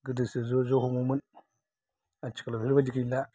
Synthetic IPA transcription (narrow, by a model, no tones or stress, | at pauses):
ɡədəsezozohumumun | at͡ʃi̥kalaiɾbad͡ʒikila